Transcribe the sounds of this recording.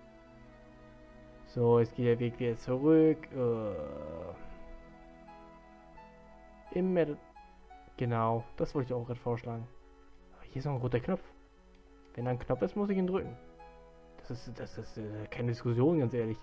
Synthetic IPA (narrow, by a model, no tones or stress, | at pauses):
z̥oːɛsɡ̥eːtd̥eːɐveːkv̥iːdɐt͡suʁʏkʰʔɛː | ʔɪmːɛt | ɡ̥ənaʊd̥asv̥ɔltɪçaʊxɡ̥ʁaːdə̥foːɐʃlaːɡŋ̩ | ʔaːbɐhiːɐɪsnɔχnʁoːtɐkʰnɔpp͡f | vɛndaːɪnkʰnɔp͡fɪstmʊs̬ɪçiːndʁʏkŋ̩ | d̥ḁsɪsd̥asɪskʰaɪnədɪskʊs̬joːnɡansʔeːɐlɪç